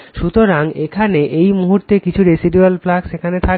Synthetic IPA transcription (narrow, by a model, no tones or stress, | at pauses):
ʃut̪oɾaŋekʰaneʔejmuɦuɾt̪ekit͡ɕʰuɾesiɖialplaksekʰanet̪ʰa